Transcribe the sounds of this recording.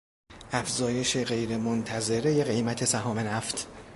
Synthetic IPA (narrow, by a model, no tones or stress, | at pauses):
ʔæfzɒːje̞ʃe̞ɣe̞jɾemont̪ʰæze̞ɾeje̞ɣe̞jmæt̪ʰe̞sæɦɒːme̞næft̪ʰ